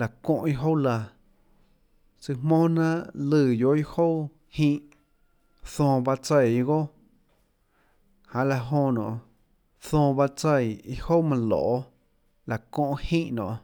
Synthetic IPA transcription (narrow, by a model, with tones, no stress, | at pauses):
la˨kɔ̃˧ʔi˧ɦo˦wla˧ | sɨ˧mõː˦nã˦ʔlɨː˧˨jo˧˦i˦ho˦w | hĩː˦ʔ | θɔ̃ː˧ba˧t͡se˧jɡo˦ | hã˨la˧ɦõ˧nɔ̰̃ː˨ | θɔ̃ː˧ba˦˧t͡sə˧˨ji˦ho˦mã˧lɔ̰ː˨ʔ | la˨kɔ̃˧ʔhĩː˦ʔnɔ̰̃˨